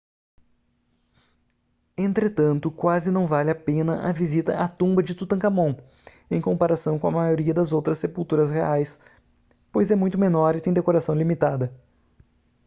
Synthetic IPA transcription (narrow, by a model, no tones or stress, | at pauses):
ẽnt̪ɾet̪ɐ̃nt̪ʊkwazɪnɐ̃w̃valɪapẽnɐʔavizit̪ɐ̰ʔat̪ũmbɐd͡ʒɪt̪ut̪ɐ̃kamõw̃ | ẽj̃kõmpaɾasɐ̃w̃kõɐmajoɾiɐd̪ɐzowt̪ɾɐsːepuwt̪uɾɐsheajs | pojzɛmũj̃t̪ʊmenɔɾɪt̪ẽj̃d̪ekoɾasɐ̃w̃limit̪ad̪ɐ